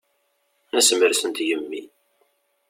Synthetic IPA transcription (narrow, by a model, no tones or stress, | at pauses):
næsəməɾsənt̪jəmːi